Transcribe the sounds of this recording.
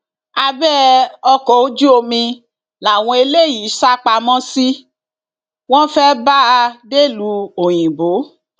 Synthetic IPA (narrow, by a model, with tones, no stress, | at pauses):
a˧bɛ˦ɔ˧kɔ˨o˦d͡ʒu˦o˧mĩ˧ | la˨w̃ɔ̃˧e˧le˦˨ji˨˦ʃa˦k͡pa˧mɔ̃˦si˦ | w̃ɔ̃˦fɛ˦ba˦a˧de˦˨lu˧˦o˨j̃ĩ˨bo˨˦